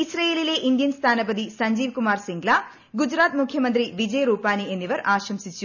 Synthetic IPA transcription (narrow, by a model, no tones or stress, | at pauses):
isɾɐjeːlileːʔind̪jɐnst̪ʰaːnɐpɐd̪isɐɲd͡ʒiːʋkumaːɾsiŋɡlaː | ɡud͡ʒɾaːt̪̚mukʰjɐmɐnt̪̬ɾiʋid͡ʒɐjɾuːpaːnienːiʋɐɾaːʃɾɐmsit͡ʃːu